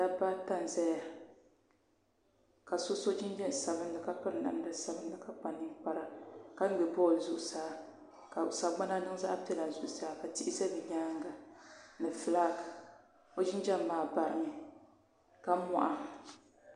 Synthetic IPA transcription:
d̥a˦ba˦ta˦n˨zɛ˦ja˨ | ka˨so˦so˦d͡ʒɪ˦nd͡ʒɛ˦˨sa˨βɨ˦n˦lɨ˨ka˨pɨ˦ɾɨ˨na̰˨m˦da˦sa˨bɨ˦n˦dɨ˨ka˨k͡pa˨nːi˦ŋk͡pa˨ɾa˨ka˦ŋ̩˦ɡ͡bɛ˨bɔ˦˨zu˦ʔu˨saː˨ | ka˨sa˨ɡ͡ba˦na˦nɨ˦ŋ˦za̰˦ʔa˦pɛ˦la˨zu˦ʔʊ˨saː˨˦˨ka˨ti˦ʔi˦zɛ˦bɨ˨ɲaː˦ŋ˦ɡa˨nɨ˨fɨ˨laː˦ɡ | o˦d͡ʒɪ˦nd͡ʒa˦mː˨aː˨ba˨ɾɨ̰˦ŋ˨ | ka˦mɔ̰˦˨ʔa˦

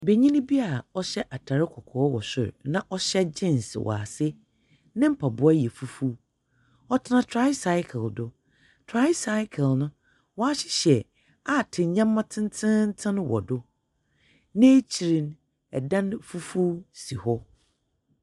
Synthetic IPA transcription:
be˨ɲĩ˦nɪ̃˦bi˦a˨ɔ˦ɕɛ˦ʔa˨tʰa˨ɾɪ˦kʰɔ˨kʰɔː˨˦wɔ̰˨sɪ̰˨ɾnã˦˨ʔɔ˦ɕɛ˦d͡ʑɪ̃˦˨n˨sɪ˨wʔa̰˨sɪ˦ | nɪ̃˦m̩˦pʰa˨bʊ˦a˦jɛ˨fu˦fu˦ | ɔ˦tʰɪ˦nã˨tʰɾa˦jsa˦ɪ˦kʰɛ˨ldʊ˨ | tʰɾa˦jsa˦ɪ˦kʰɛ˨lnʊ̃˦ | wɔ˨˦a˦ɕɪ̥˦ɕɛ˨ | a˦˨tʰɪ˨ɲã˦mːã˦tʰɪ̃˦n˦tʰɪ̃˦n̩˦tʰɪ̃˦nʊ̃˦wɔ̰˨dʊ˦ | nɪ̃˦t͡ɕʰi˨ɾĩ˨n | ɛ˨dã˦nfu˦fu˦si˨hɔ˦

